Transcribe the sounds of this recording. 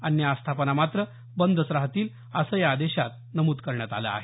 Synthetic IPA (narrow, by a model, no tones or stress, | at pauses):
ənjaːst̪ʰapənamat̪ɾə | bənd̪ʱəsɾaɦt̪iːl | əsəjaːd̪eɕat̪̚ | nəmuːt̪kəɾɳjat̪a̰la̰ːɦe